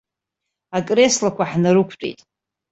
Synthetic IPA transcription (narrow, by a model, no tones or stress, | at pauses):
akʼre̞slakʷʰaħnaɾɨkʷʰt͡sʼḛjtʼ